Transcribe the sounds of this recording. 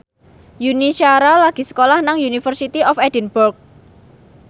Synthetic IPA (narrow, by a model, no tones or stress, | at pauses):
juniʃaɾalaɡ̥i̤sə̥kolahnaŋjunifərsit̪iɔfɛdənbʊrk̚